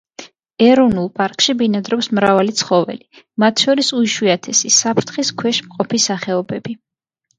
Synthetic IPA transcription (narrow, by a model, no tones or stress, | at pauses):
ɛɾɔnulˠpʼaɾkʼʃibinad̪ɾɔpsmɾavalit̪sʰχɔvɛ̰li | mat̪ʰʃɔɾisuiʃwiat̪ʰɛsisapʰɾt̪ʰχiskʰwɛʃmqʼɔpʰisaχɛɔbɛb̥i